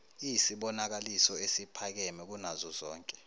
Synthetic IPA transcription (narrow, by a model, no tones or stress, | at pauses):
isiɓɔnak̬alisɔesipʰak̬ɛmɛk̬unazɔzɔːŋkʼɛ̥